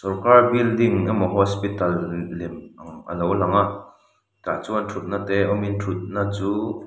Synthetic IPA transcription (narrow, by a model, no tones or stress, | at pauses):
sɔrkarbild̪iŋamɔɦɔspit̪ɐlːɛmŋɐ̰nowlaŋaʔ | t̪aːt͡suːɐnt̪ʰut̪̚nat̪ɛʔɔmint̪ʰut̪̚nat͡suː